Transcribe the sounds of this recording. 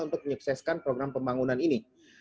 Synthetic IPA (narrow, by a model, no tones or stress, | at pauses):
unt̪ʊk̚məɲəksaskanpɾoɡɾampəmbaŋunanini